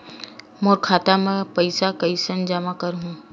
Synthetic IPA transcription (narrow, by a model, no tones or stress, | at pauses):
moːɾkʰaːt̪amẽpəɪsakəisənd͡ʒəmakəɾɦũː